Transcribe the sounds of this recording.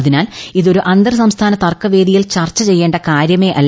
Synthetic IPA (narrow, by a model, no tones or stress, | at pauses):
ðinaːliðo̞ɾuʔɐnd̪ɐrs̬ɐmst̪ʰaːnɐt̪ɐrkːɐʋe̞ːd̪ijilt͡ɕɐrt͡ɕːɐt͡ɕe̞jːe̞ːɳɖɐkaːɾjɐme̞ːʔɐlː